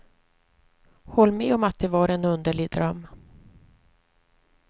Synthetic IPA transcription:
hɔlːmɛːɔmat̪̚d̪ɛvaɾɛnɵnd̪əɭɪd̪ɾœmː

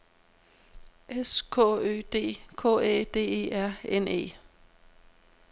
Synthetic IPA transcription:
ʔeskʰɔ̰ø̰ːd̥e̝̰ːkʰɔ̰ːḛːd̥e̝̰ːe̝̰ːæɐ̰ene̝̰ː

